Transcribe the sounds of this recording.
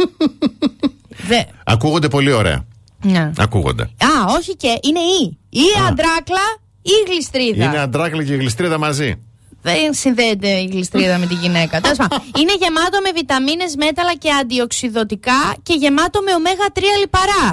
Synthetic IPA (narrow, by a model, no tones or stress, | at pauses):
ðeɐ̰kuɣo̞nd̪e̞po̞lio̞ɾe̞̰ɐ̰ | neɐ̰kṵɣo̰nd̪e̞̰ɐo̞çiceʔine̞iiɐnd̪ɾɐklɐ | iːɣlist̪ɾiðɐineɐnd̪ɾɐklɐceiɣlist̪ɾiðɐmɐzi | ðensinðet̪eiɣlist̪ɾiðɐme̞t̪iʝine̞kɐt̪elɐs̬pɐmine̞ʝe̞mɐt̪o̞me̞vit̪ɐmine̞zme̞t̪ɐlɐce̞ɐnd̪io̞ksiðo̞t̪ikɐce̞ʝe̞mɐt̪ome̞ome̞ɣɐt̪ɾiɐlipɐɾɐ